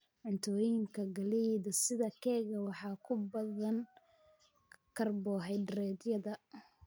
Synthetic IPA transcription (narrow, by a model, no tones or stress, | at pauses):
ʕʊnt̪ʰɔːjɪŋkʰɐɡɐliðɐsɪðɐkʰɛːɣɐwɑħɑːkʰʊbɐðɐn | kʰɐrbɔːɦɛjɖrɛːd̪jɐðɐ